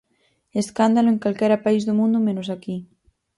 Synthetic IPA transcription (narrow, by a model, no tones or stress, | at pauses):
eskand̪aloeŋkalkɛɾapaizðomũnd̪umẽnosaki